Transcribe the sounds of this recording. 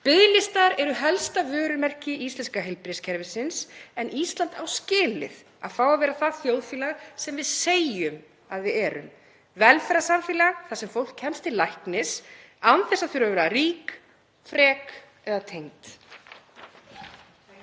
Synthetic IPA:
pɪðlɪst̪aɾɛɾʏɦɛlst̪avœːɾʏmɛr̥cɪist̪lɛnskaɦejlpɾɪscʰɛɾvɪsɪnsɛnist̪lant̪awscɪːlɪ̰ð | a̰ðfaːwavɛːɾaθaðθjoːwðfiːlasɛmvɪðseːjʏm | aðvɪðɛːɾʏ̰m | vɛlfɛɾasamfiːlaθasɛmfowl̥kcʰɛmst̪ɪlajhknɪs | anθɛsaðθʏɾavɛɾariːk | fɾɛːk | ɛðat̪ʰejŋt̪

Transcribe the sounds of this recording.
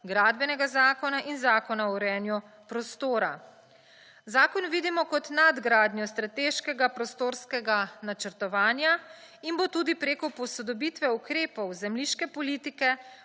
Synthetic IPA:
ɡɾaːd̪bɛnɛɡazaːkɔnaʔinzaːkɔnaɔɾɛːnju | pɾɔst̪oːɾa | zaːkɔnʋiːd̪imɔkɔt̪nad̪ɡɾaːd̪njɔst̪ɾat̪eːʃkɛɡapɾɔst̪oːɾskɛɡanat͡ʃəɾt̪ɔʋaːnjaimbot̪uːd̪ipɾeːkɔpɔsɔd̪ɔbiːt̪ʋɛukɾeːpɔwzɛmliʃkɛpɔliːt̪ikɛ

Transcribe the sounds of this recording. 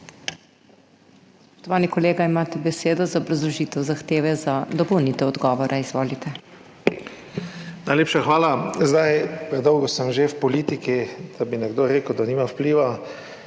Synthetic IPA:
spɔ̥ʃt̪ɔʋaːnikɔleːɡaimaːt̪ɛbɛseːd̪ɔzaɔbɾazlɔʒiːt̪ɛwzaxt̪eːʋɛzad̪ɔpɔwnit̪ɛwɔd̪ɡɔːʋɔɾʔaizʋoːlit̪ɛ | najleːpʃaxʋaːlazd̪ajpɾɛd̪ɔwɡosəmʒewpɔliːt̪ikid̪̥abinɛɡd̪oːɾeːkəwd̪aniːmawpliːʋa

